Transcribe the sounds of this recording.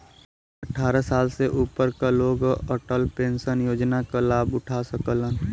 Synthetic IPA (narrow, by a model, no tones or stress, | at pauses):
əʈʰaːɾasaːlseʔuːpəɾkaloːɡɔʈəlpẽːnsənjoːd͡ʒnakalaːbʊʈʰasəkələn